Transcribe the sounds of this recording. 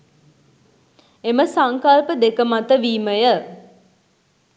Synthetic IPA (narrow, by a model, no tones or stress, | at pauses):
eməsaŋkalpəd̪ekəmat̪əʋiːməjə